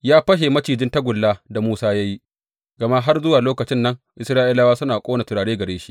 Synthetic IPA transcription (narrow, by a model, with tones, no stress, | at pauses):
jaː˦ɸɐ˦ʃe˨mɐ˦t͡ʃiː˨d͡ʒɪ˦ntɐ˦ɡʷʊ˨lːaː˦da˨muː˦saː˦ja˦ji˦ | ɡɐ˨ma˦ɦa˦rzʊ˦waː˨loː˦kɐ˨t͡ʃɪ˦nːɐ˦ŋʔɪ˨sɾaː˦ʔi˦laː˦waː˦sʊ˦naː˨kʷʼoː˦na˨tɪ˨ɽaː˨ɽeː˦ɡɐ˨ɽeː˦ʃi̥˦ʔ